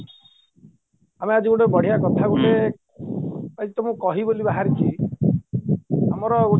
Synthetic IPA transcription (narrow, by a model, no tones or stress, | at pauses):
amead͡ʒiɡuɽebɔɽ̤ijakɔt̪ʰaɡule | kait̪ɔmũkɔɦibolibaɦaɾit͡ʃʰi | a̰mɔɾɔu